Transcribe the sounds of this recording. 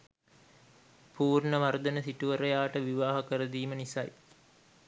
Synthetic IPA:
puːrɳəʋaɾud̪ənəsiʈuʋəɾəjaːʈəʋiʋaːɦɐkəɾəd̪iːmənisa̰j

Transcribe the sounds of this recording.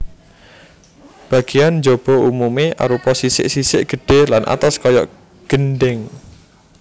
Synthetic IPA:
b̥a̤ɡ̥ijand͡ʒob̥ɔ̤umumeʔa̰ɾupɔsisɪ̰ʔsisɪʔɡ̥ə̤ɖ̥e̤hlanʔa̰t̪askɔjɔ̰ | ɡ̥ənɖɪŋ

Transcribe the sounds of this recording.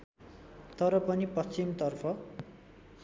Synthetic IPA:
t̪ʌɾʌpʌnipʌst͡simt̪ʌrpʰʌ

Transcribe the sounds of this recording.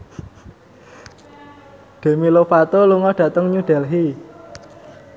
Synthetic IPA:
ɖ̪̥e̤milopat̪oluŋɔɖ̥ä̤t̪əŋɲuɖ̥ɛ̤lɦi

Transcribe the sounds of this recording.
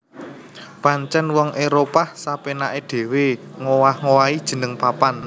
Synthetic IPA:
paɲt͡ʃɛnwɔŋʔeɾopahsapenaʔeɖ̥e̤weŋowahŋowaid̥ʒ̥ə̤nəŋpapan

